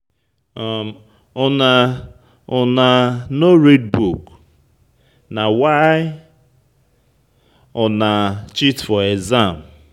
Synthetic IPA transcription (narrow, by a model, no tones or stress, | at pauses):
m | ɔna | ɔnanoɾed̚buk | nawajɪ | ɔnat͡ʃitfɔezam̩